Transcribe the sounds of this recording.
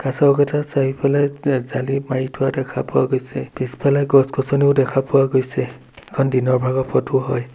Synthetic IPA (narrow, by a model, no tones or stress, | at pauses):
kasɔɡɛtʰasaɦipalajzalimaɹitʰʊadɛkʰapʊwa̰ɡojsɛpisi̥palajɡɔskɔsɔniʊdɛkʰapʊwaɡojsɛ | ɛkʰɔndinɔɹbʱaɡɔpʰɔtuɦɔj